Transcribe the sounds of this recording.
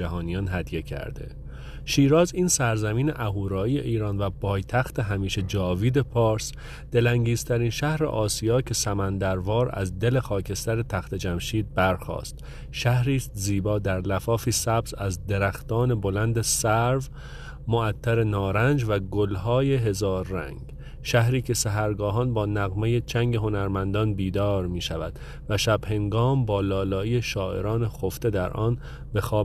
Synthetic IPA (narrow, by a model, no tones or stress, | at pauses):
æɦɒːnijɒnɦæd̪je̞cʰæ̰ɾd̪e̞̰ | ʃiːɾɒːziːnsæɾzæmiːnḛʔæɦuːɾɒːije̞̰ʔiːɾɒːnvæbɒːjt̪ʰæxt̪eɦæmiːʃe̞d͡ʒɒːviːd̪epʰɒːɾs | d̪̥e̞læŋɟiːst̪ʰæɾiːnʃæhɾḛʔɒːsijɒːcʰe̞sæmænd̪æɾvɒːɾæ̰zd̪e̞le̞xɒːcʰe̞st̪æɾet̪ʰæxt̪e̞d͡ʒæmʃiːd̪̚bæɾxɒ̰ːst̪ | ʃæhɾiːst̪ziːbɒːd̪æɾlæfɒːfiːsæbzæzd̪eɾæxt̪ɒːne̞bo̞lænd̪esæɾv | moæt̪ʰːæɾe̞nɒːɾænd͡ʒvæɡolɦɒːjeɦe̞zɒːɾːæ̰ŋɡ | ʃæɦɾiːcʰe̞sæɦæɾɡɒːɦɒːnbɒːnæɣmejet͡ʃʰæŋɡeɦo̞næɾmænd̪ɒːnbiːd̪ɒːɾmiːʃævæd̪̥ | væʃæbhe̞ŋɡɒːmbɒːlɒːlɒːiːeʃɒːʔe̞̰ɾɒːnexoft̪e̞d̪æɾʔɒːn | be̞xɒː